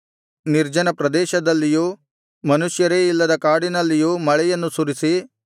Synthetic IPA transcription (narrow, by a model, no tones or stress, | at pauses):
niɾd͡ʒɐnɐpɾɐd̪ɛːʃɐd̪ɐlːijuː | mɐnuʃjɐɾeːilːɐd̪ɐkaːɽinɐlːijuːmɐɭɛjɐnːusuɾisi